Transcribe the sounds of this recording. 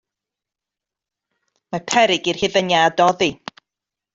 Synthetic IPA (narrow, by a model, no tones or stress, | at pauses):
mapʰɛɾɪɡirhɪðənjadɔði